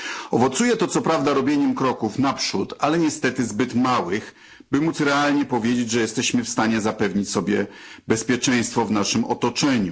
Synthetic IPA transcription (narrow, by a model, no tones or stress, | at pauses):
ɔvɔt̪sujɛt̪ɔt̪sɔpɾavd̪aɾɔbʲjeɲɛmkɾɔkufnapʂut̪alɛɲɛst̪ɛt̪ɘzbɘt̪mawɘx | bɘmut̪sɾɛalɲɛpɔvʲjed͡ʑet͡ɕʐɛjɛst̪ɛɕmɘfst̪aɲɛzapɛvɲit͡ɕsɔbʲjɛbɛspʲjɛt͡ʂɛ̃j̃st̪fɔvnaʂɘmɔ̰t̪ɔt͡ʂɛɲu